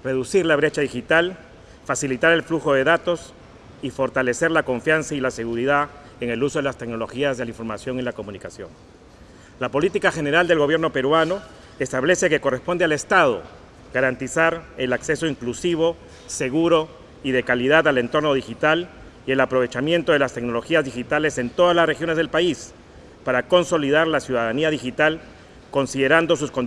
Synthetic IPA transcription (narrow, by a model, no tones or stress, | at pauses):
re̞ðusiɾlaβ̞ɾe̞t͡ʃaðixit̪al | fasilit̪aɾe̞lfluxo̞ðe̞ðat̪o̞s | ifo̞ɾt̪ale̞se̞ɾlako̞ɱfjansailase̞ɣuɾiða | eŋe̞luso̞ðelast̪e̞ɡno̞lo̞xiazðelaiɱfo̞ɾmasjo̞ŋilako̞mũnikasjo̞̰ŋ | lapo̞lit̪ikaxe̞ne̞ɾald̪e̞lɣo̞βje̞ɾno̞pe̞ɾwano̞ | est̪aβle̞se̞ke̞ko̞respo̞nd̪eale̞st̪að̞o̞̰ | ɡaɾant̪isaɾe̞lakse̞so̞iŋklusiβ̞o̞ | se̞ɣuɾo̞ | iðe̞kaliðaðale̞nt̪o̞ɾno̞ð̞ixit̪al | ie̞lapɾo̞βe̞t͡ʃamjent̪o̞ðe̞last̪e̞kno̞lo̞xiazðixit̪ale̞se̞nt̪o̞ðazlasrexjo̞nezðe̞lpais | paɾako̞nso̞liðaɾlasjuðaðaniaðixit̪al | ko̞nsiðe̞ɾand̪o̞s̬usko̞n